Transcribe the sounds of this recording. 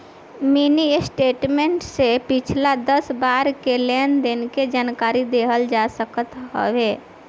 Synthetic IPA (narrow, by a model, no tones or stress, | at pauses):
minisʈeːʈmẽɳʈsepɪt͡ʃʰlad̪əsbaːɾkelend̪ɪnked͡ʒaːnkaːɾid̪eːɦəld͡ʒasəkət̪ɦə̰ʋeː